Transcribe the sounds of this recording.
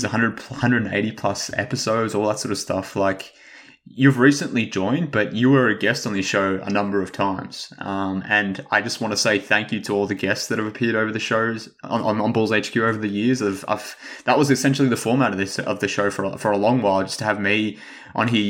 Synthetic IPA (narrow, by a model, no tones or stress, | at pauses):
zɨhʌ̃ndɹəd̚pʰhʌ̃ndɹɨdn̩ḛɪɾipʰl̥ʌsɛ̰pɨsoʊdzɔlˠðətsɔɹɾʌv̥stʰʌ̰flaɪk | jʉvɹisɨ̃nʔlid͡ʒɔ̃ɪ̃n̚bʌt͡ʃɨə˞ɨɡɛstn̩ðɨʃoʊə̰nʌ̃mbə˞ʌv̥tʰãɪ̃mz̥ʌ̃mɨ̃naɪd͡ʒʌst̚wɑ̃ntʰɨseɪθæ̃ŋkjɨɾəɔlˠðɨɡɛstsðɨɾ̚hɨvɨpʰɪɹɾoʊvə˞ðɨʃoʊz̃ | ə̰̃ə̃nbɔlˠzeɪt͡ʃkʰj̥ʉoʊvə˞ðɨjɪɹzʌv̰v̥ðəʔ̚wʌzɨsɛ̃nʃl̩ˠiðɨfɔɹmæɾʌvðɪsʌ̰vðɨʃoʊfə̰˞fə˞əlɔ̃ŋwaɪlˠd͡ʒʌstʰɨːvmi | ʔə̰̃nɪ